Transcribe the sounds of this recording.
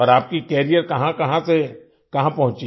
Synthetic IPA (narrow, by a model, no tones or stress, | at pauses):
ɔːɾaːp̚kikɛːɾijəɾkɐɦãkɐɦãse | kɐɦãpɐɦʊ̃t͡ʃi